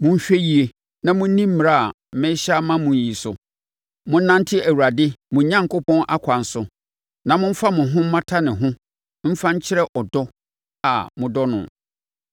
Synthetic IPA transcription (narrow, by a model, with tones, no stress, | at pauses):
mʊ̃˦m̩˦ɕᶣe˦ji˨e˨ | nã˨mʊ̃˦n̩˦nĩ˦m̩˦m̃˨ɾa˦˨a˨ | m̩˨˦mɛ̃˦ɕa˦mã˦mʊ̃˨ɲ˦ji˨sʊ̰˨ | mʊ̃˦n̩˦nã˦n˦tʰɪ˦æ˨wu˨ɾa˨dɪ˦mʊ̃˨˦ɲã˦ŋ˨kʊ˦pʰɔ̃˦nʔa˦kʷʰa˨n˦sʊ˨ | nã˨mʊ̃˦m̩˦fa˦mʊ̃˨ɦʊ̃˦m̩˦mã˦tʰa˦nɪ̃˨ɦʊ̃˦ | m̩˦fã˦ɲ̩˦t͡ɕʰɪ˦ɾɛ˦ʔɔ˨dɔ˦ | a̰˨mʊ̃˨dɔ˦nʊ̰̃˨